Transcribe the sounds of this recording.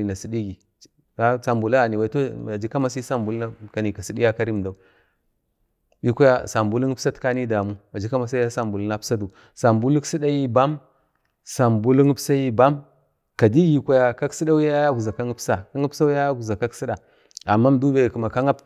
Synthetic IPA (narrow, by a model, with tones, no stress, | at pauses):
i˨na˨si˨di˦ɡi˨ | a˦sa˨mbu˨la˦a˨ni˨wa˨i˨˦o˦a˨d͡ʒi˦ka˦ma˦si˦sa˦mbu˨lna˦ka˨ni˨ka˨si˦ɗi˦ja˦ka˦ɾi˦m˨da˨u˨ | bi˦kʷa˦ja˦sa˨mbu˦lu˦ŋ˦psa˦tka˦ni˦da˨mu˦a˨d͡ʒi˦ka˦ma˦s̬a˦a˦sa˦mbu˨lna˦psa˦du˨ | sa˨mbu˦lu˦ksi˦ɗa˦ji˦ba˦m | sa˨mbu˦lu˦ŋi˦psa˦ji˦ba˦m | ka˨di˦ji˨kʷa˦ja˨ka˦ksi˦ɗa˦u˦ja˦ja˦ɡu˨za˨ka˦ŋi˦psa˨ka˦ŋi˦psa˦u˦a˦ja˦ɡu˨za˨ka˦ksi˦ɗa˨ | a˨mːa˦m˦du˦ba˨ku˨ma˨ka˦ŋa˦p